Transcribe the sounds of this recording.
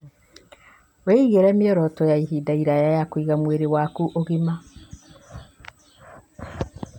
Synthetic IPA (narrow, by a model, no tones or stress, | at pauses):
weiɣeɾɛmiɔɾɔtɔjaihidaiɾajajakwiɣamweɾewakuʔoɣima